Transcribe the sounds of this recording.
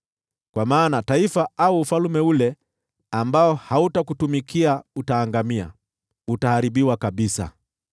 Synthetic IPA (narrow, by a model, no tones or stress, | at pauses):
kwamaːnataifaauːfalumɛulɛ | ambaɔhautakutumikʰiautaːŋɡamia̰ | utahaɾibiwakaɓisa̰